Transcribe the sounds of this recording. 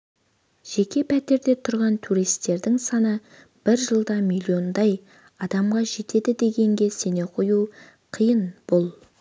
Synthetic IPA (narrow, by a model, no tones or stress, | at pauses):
ʒ̥e̞kʲe̞pʰæt̪e̞ɾd̪e̞t̪ʰʊɾʁɑnt̪ʰuɾijst̪e̞ɾd̪ɪŋsɑnə | b̥ɪɾʒəlˠd̪ɑmilʲio̞nd̪ɑj | ɑd̪ɑmʁɑʒe̞t̪e̞d̪ɪd̪e̞ɡʲe̞ŋɡʲe̞se̞ne̞qʰoju | qʰijənb̥olˠ